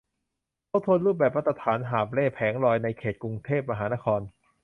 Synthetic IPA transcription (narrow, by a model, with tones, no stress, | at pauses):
kʰa˥˩t̪ʰu˧ənɾuː˥˩p̬̚bɛː˨˩p̬̚ɾa˥t̪ʰɾa˧t̪ʰaː˩˦nɦaː˨˩p̚leː˥˩pʰɛː˩˦ŋɾɔː˧jna˧jkʰeː˨˩t̪̚ku˧ŋt̪ʰeː˥˩p̚ma˧ɦaː˩˦naː˥˩kʰɔː˧n